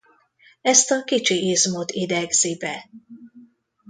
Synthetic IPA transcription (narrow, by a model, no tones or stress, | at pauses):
ɛst̪ɒkit͡ʃiʔeːzmot̪id̪ɛɡz̥ibɛ